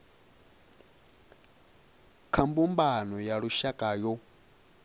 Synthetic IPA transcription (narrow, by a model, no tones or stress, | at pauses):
kʰambumbanɔjaɺuʃakʼajɔ